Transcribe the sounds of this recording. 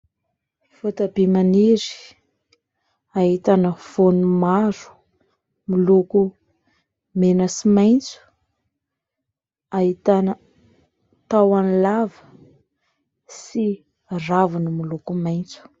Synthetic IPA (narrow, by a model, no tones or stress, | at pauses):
fot̪abemaniɾi̥ | aɦit̪anəv̥onumaɾu̥ | miluku | menəsimajnt͡su̥ | aɦit̪anə | t̪awanlavə̥ | si | ravunumilukumajnt͡su̥